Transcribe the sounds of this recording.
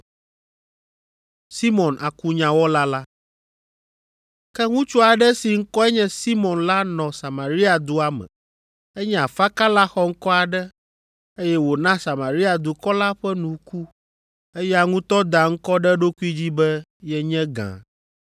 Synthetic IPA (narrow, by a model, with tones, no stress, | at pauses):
si˦mɔ̃˨nʔa˨ku˦ɲã˨wɔ˦la˦la˦ | kɛ˦ŋũ˦t͡ʃu˦a˨ɖɛ˦si˨ŋ̩˦kɔ˦ɛ˦ɲɛ̃˦si˦mɔ̃˨nla˦nɔ̃˨sa˨ma˨ɾi˦a˨d̪u˦a˦mɛ̰̃˨ | ɛ˦ɲɛ̃˦a˨fa˦ka˦la˦xɔ˦ŋ̩˦kɔ˦a˨ɖɛ˦ | e˦jɛ˦wo˨nã˦sa˨ma˨ɾi˦a˨d̪u˨kɔ˦la˦ɸɛ˦nũ˨ku˦ | e˦jɛ˦a˨ŋũ˦t̪ɔ˦d̪a˨ŋ̩˦kɔ˦ɖɛ˦ɖo˦ku˦i˦d͡ʑi˦bɛ˦jɛ˦ɲɛ̃˦ɡã̰˨